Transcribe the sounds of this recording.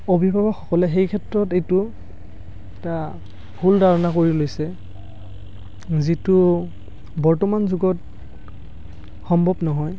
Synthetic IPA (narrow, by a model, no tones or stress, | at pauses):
obʱibʱabɔxɔkɔlɛɦejkʰɛtɹɔtejtʊ | ɛta | bʱuldʱaɹɔnakoɹilojsɛ | zitʊ | bɔɹtɔmanzuɡɔt | xɔmbʱɔbnɔɦɔj